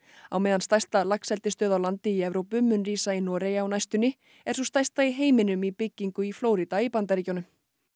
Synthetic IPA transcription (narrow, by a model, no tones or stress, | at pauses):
a̰wmɛːðanst̪ajst̪alaksɛlt̪ɪst̪œːðawlant̪ɪiɛvɾowpʏmʏnriːsainɔːɾejaːwnajst̪ʏnːɪ | ɛɾ̥sust̪ajst̪aiɦeːjmɪnʏmipɪcːiŋkʏifloːwɾit̪aipant̪̬aɾicownʏm